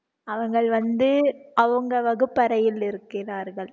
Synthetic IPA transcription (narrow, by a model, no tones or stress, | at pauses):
ɐʋɐŋɡɐɭʋɐnd̪ɯɐʋɯŋɡɐʋɐɣɯpːɐɾɐjɪlɪɾɯkːɪraːɾɣɐɭ